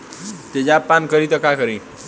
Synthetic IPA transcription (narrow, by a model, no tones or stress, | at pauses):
t̪ed͡ʑapankəɾit̪əkakəɾi